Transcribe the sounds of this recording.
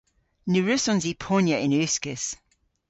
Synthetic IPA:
nʉɹʉsɔ̃nzipʰonjəʔɪ̃nʉˑskəs

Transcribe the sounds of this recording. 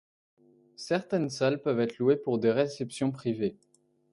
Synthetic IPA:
sɛʁt̪ɛnsalpœvɛt̪χluepuʁd̪eʁesɛpsjɔ̃pχive

